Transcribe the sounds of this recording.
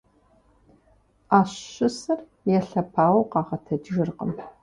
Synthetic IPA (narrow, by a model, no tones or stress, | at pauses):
aːɕɕɪsɐr | jɛɬɐpʰaːwqɑːʁɐtʰɐdʒɪrqə̰m